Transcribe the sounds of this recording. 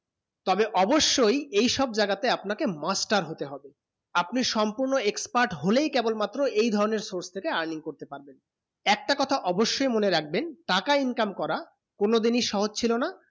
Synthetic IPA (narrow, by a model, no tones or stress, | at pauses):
t̪ɔbeʔɔboʃːojejʃɔb̚d͡ʑaɡat̪eapnakemasʈaɾɦot̪eɦɔbe | apniʃɔmpuɾnoekspaɾʈɦolejkɛbolmat̪ːɾoejd̪ʱɔɾoneɾsoɾst̪ʰekeaɾniŋkoɾt̪epaɾben | ɛk̚ʈakɔt̪ʰaʔɔboʃːojmoneɾak̚ʰbenʈakainkamkɔɾa | konod̪iniʃɔɦod͡ʑt͡ɕʰilona